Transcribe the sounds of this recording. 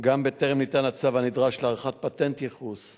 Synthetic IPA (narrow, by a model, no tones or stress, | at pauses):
ɡambeteʁemnitanat͡savanidʁaʃleaʁχat̚patentjeχus